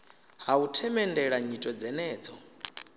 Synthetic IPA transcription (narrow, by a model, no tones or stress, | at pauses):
ɦautʰɛmɛndɛɺaɲitʼɔd͡zɛnɛːd͡zɔ